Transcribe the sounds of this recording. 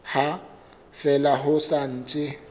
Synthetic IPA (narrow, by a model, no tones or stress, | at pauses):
ha | fɛlaɦʊsan̩t͡ʃʼɪ